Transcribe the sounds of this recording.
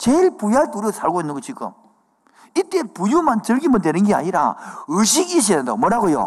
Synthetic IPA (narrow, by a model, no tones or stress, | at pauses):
t͡ɕeɭpujaɭtuɾosʰaɭɡoinːɯnŋɡot͡ɕik͈ɯ̰m | it͈e̞pujumant͡ɕɯɭɡimɯndenɯnɡea̰ɲiɾa̰ɯɕ̬ʰiɡiɕ̬iɾendo̰mwʌɾaɡojo̰